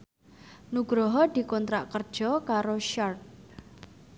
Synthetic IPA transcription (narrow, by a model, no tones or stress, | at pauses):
nuɡ̥ɾɔɦɔd̪̥i̤kɔnt̪ɾaʔkərd̥ʒ̥ɔkaɾoʃart̪̚